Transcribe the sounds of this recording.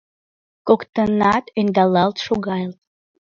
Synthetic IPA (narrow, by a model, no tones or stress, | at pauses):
kokt̪ənɑt̪end̪ɑlˠɑlˠt̪ʃoɡɑjlt̪̚